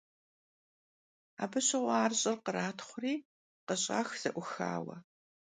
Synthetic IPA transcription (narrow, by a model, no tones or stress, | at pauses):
a̰ːbɨɕɪʁʷaːrɕʼɪrqəraːtʰχʷʊriː | qəɕʼa̰ːxz̥ɐʔʷʊxa̰ːwɐ̰